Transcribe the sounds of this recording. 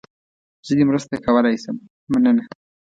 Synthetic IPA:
z̥əd̪emɾəst̪akawalajsəm | manəna

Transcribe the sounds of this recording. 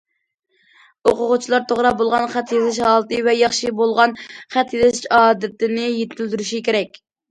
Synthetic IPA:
oqʊʁʊt͡ʃʰilˠɑɾt̪ʰoʁɾɑbolˠʁɑnχæt̪jezɪʃhɑːlˠɨt̪ɨvɛjɑχʃibolˠʁɑnχæt̪jezɪzɪʃɑːd̪ɨt̪ɪnɪjet̪ʰɪld̪yɾyʃikʲʰeɾɛkʲ

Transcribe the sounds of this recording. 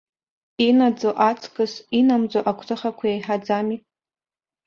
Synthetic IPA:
inad͡zoʔat͡sʰkʼɨsinamd͡zoʔakʷʰtʰʼɨχakʷʰajajħad͡zami

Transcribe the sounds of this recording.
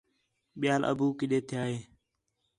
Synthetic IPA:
ɓɪjaːlʔə̰buːkɪɗeːt̪ʰɪjaːɦeː

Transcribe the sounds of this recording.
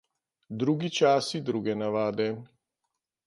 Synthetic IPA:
d̪ɾuːɡit͡ʃaːsid̪ɾuːɡɛnaʋaːd̪ɛ

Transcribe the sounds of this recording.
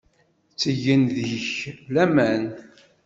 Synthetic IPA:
t͡sːəʝːənðəçlæmæn

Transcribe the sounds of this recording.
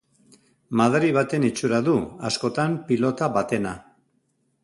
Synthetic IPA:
maðɾiβat̪e̞nit͡ʃuɾaðua̰sko̞t̪ampilo̞t̪aβat̪e̞na

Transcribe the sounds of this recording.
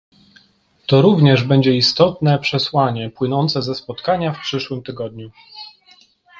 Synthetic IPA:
t̪ɔɾuvɲɛʐbɛɲd͡ʑɛist̪ɔt̪nɛpʂɛswaɲɛpwɘnɔnt̪sɛzɛspɔt̪kaɲafpʂɘʂwɘmt̪ɘɡɔd̪ɲu

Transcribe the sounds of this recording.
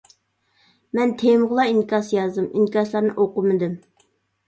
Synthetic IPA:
mɛnt̪ʰemʁəlˠɑiŋkʲɑsjɑzd̪ɨmiŋkʲɑslˠɑɾnɨʔoqʊmɨd̪ɨm

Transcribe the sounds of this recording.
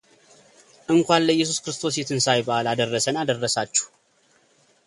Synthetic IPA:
ʔɨŋkʷalːəjːɛs̬uskɾɨst̪ʰo̞s̬jet̪ʰɨnsajbalad̪ərːəsənad̪ərːəsat͡ʃːu̥h

